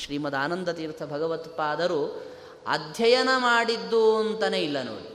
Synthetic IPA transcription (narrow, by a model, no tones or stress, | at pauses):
ʃɾiːmɐd̪aːnɐnd̪ɐt̪iːɾt̪ʰɐbʱɐɡɐʋɐt̪paːd̪ɐɾu | ɐ̰d̪ʱjɐjɐnɐmaːɽid̪ːuɐnt̪ɐneilːɐno̰ːɽi